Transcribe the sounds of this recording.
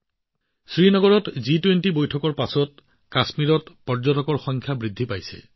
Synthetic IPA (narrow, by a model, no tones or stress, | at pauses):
sɹinɔɡɔɹɔtzitwentibojtʰɔkɔɹpasɔt | kasmiɹɔtpɔɹzɔtɔkɔɹxɔŋkʰjabɹidʱːipajsɛ̰